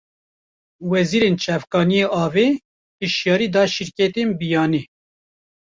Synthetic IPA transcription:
wɛziːɾeːnt͡ʃʰɛvkɑːnijeʔɑːveː | pɨʃjɑːɾiːd̪ɑːʃiɾkɛt̪eːnbijɑːni

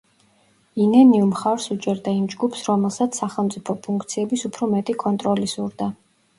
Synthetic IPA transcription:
inɛniumχaɾsut͡ʃʼɛɾd̪aimd͡ʒɡupʰsɾɔmɛlˠsat̪ssːaχɛlˠmt̪sʼipʰɔpʰuŋkʰt̪sʰiɛbisupʰɾɔmɛt̪ʼikʼɔnt̪ʼɾɔlisuɾd̪a

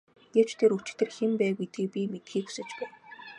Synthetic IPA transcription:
ɡ̥ew̥t͡ɕt̪ʰeɾut͡ɕɪ̆t̪ɘ̆rxempæːɣujt̪ɡiːk̚pʲimet̪xiːku̥sɘ̆t͡ɕpæːn

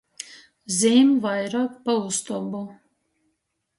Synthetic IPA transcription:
ziːmvajɾaːkpaust̪ɔbu

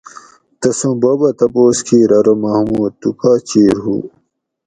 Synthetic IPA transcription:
t̪ɐsũbɐːbɐt̪ɐpoːskʰiːɾɐɾomɐhmuːd̪̚t̪ukaːt͡ɕiːɾɦṵ

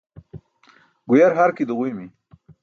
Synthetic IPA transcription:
ɡujaɾɦaɾkid̪uɣujmi

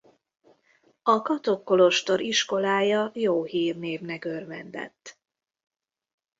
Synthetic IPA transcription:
ɒkɒt̪o̞kːo̞lo̞ʃt̪o̞ɾiʃko̞laːjɒjoːɦiːrneːvnɛkørvɛnd̪ɛ̰t̪ː

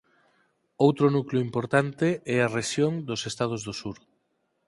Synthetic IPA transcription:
owt̪ɾʊnukljoʊimpoɾt̪ant̪eɛareʃjoŋd̪osest̪að̞ozðosuɾ

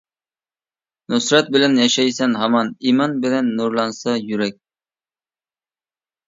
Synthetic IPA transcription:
nʊsɾɑt̪̚bɪlænjɑʃɛjsænɦæmɑnimɑnbɪlænːuɾlˠɑnsɑjyɾɛk̚ʲ

